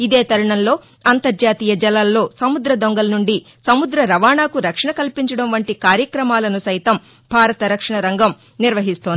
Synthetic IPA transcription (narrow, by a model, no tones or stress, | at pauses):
id̪e̞ːt̪ɐɾɐɳɐnlo̞ː | ɐnt̪ɐɾd͡ʒaːt̪iːjɐd͡ʒɛlaːlːo̞ːsɐmud̪ɾɐd̪oŋɡɐlɐnuɳɖi | sɐmud̪ɾɐɾɐʋaːɳaːkuɾɐkʂɐɳɐkɐlpiɲt͡ʃɐɽɐmʋɐɳʈikaːɾjɐkɾɐmaːlɐnusɐjt̪ɐm | bʱaːɾɐt̪ɐɾɐkʂɐɳɐɾɐŋɡɐm | niɾʋɐɦist̪oːnd̪i